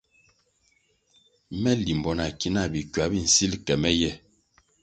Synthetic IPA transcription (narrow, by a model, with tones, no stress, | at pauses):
mɛ˦li˨mbɔ˨na˨ki˦na˦˨bi˨kwa˨˦bi˦˨n̩˨si˦lkɛ˨mɛ˦jɛ˦˨